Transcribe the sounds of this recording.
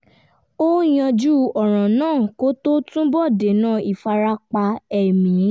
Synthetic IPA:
o˦j̃ã˧d͡ʒu˦ɔ˨ɾ̃ã˨nãː˦˨ko˦to˦tũ˦bɔ˦˨de˨nãː˦˨i˨fa˧ɾa˦k͡pa˧ɛ˨mĩ˨˦

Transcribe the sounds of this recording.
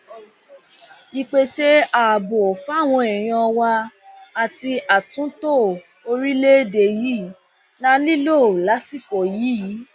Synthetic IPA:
i˧k͡pe˦ʃe˦a˦˨bo˨fa˦˨w̃ɔ̃˧ɛ˨j̃ã˧wa˧ | a˨ti˧a˨tũ˨˦to˦˨ | o˧ɾi˦le˦de˨ji˦ | lã˦li˦lo˦˨la˨˦si˦˨ko˨ji˨˦ji˨˦

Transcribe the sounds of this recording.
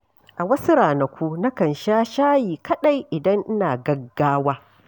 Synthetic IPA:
ʔa˨wɐ˦su˦ɾaː˨nɐ˨kʷu˦nɐ˦kɐ˨nʃaː˦ʃaː˦jiː˨kɐ˦ɗa˦jʔɪ˨dɐ˦ŋʔɪ˦naː˨ɡɐ˦ɡːaː˦waː˦

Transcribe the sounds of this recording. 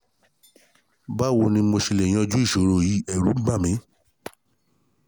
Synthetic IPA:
ba˦wo˧nĩ˧mo˧ʃi˧le˨j̃ã˧d͡ʒu˦i˦˨ʃo˨˦ɾo˦˨ji˨˦ɛ˦˨ɾu˨˦ba˦˨mĩ˨˦

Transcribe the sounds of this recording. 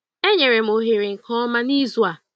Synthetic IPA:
e˦ɲe˨ɾe˨m̩˨o˨ɦe˨ɾe˨ŋ̩˨kʰɔ˦ma˦ni˦zu˦a˨

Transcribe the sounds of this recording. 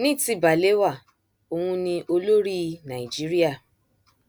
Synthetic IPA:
nĩ˦˨ti˧˦ba˨le˦wa˦˨ | o˧hũ˧nĩ˧ʔo˧lo˦ɾi˦˧nã˨i˨d͡ʒi˨˦ɾi˦a˦˨

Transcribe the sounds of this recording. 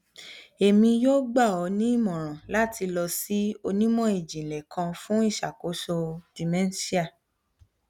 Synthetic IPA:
e˨mĩ˧joː˦ɡ͡ba˦˨ɔ˨˧nĩ˨˦i˦˨mɔ̃˨ɾ̃ã˨la˦ti˧lɔ˧si˦o˧nĩ˦mɔ̃˦˨e˨d͡ʒĩ˨lɛ˨kʰã˧fũ˦i˦˨ʃa˨ko˨˦ʃo˧di˨mɛ̃˦n˦si˦a˦˨

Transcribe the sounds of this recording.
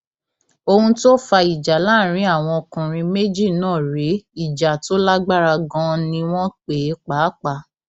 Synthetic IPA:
o˧hũ˧to˦fa˧i˨d͡ʒa˨la˦˨ɾ̃ĩ˧˦a˦˨w̃ɔ̃˧kũ˨ɾ̃ĩ˧me˦d͡ʒi˦˨nãː˦˨ɾe˨˦i˦˨d͡ʒa˨to˦la˦ɡ͡ba˦ɾa˧ɡɔ̃˦nĩ˧w̃ɔ̃˦k͡pe˨˦k͡pa˨˦k͡pa˧˨

